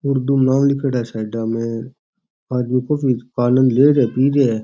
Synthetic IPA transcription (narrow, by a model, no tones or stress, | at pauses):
ʊɾd̪umnãːmlɪkəɽaːsaːɖaːmẽ | aːd̪mĩkoːfikaːnə̃nd̪leːɾɛːpiːɾeː